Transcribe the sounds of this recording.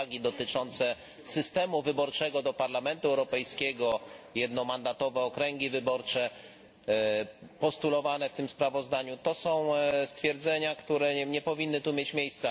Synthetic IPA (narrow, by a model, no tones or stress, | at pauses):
ɡʲid̪ɔt̪ɘt͡ʂɔnt̪sɛ | sɘst̪ɛmuvɘbɔɾt͡ʂɛɡɔd̪ɔpaɾlamɛnt̪uɛwɾɔpɛjskʲɛɡɔjɛd̪nɔmand̪at̪ɔvɛɔkɾɛŋɡʲivɘbɔɾt͡ʂɛ | pɔst̪ulɔvanɛft̪ɘmspɾavɔzd̪aɲut̪ɔsɔ̃w̃st̪fʲjɛɾd̪zɛɲakt̪uɾɛɲɛpɔvʲinːɘt̪umʲjet͡ɕmʲjejst̪sa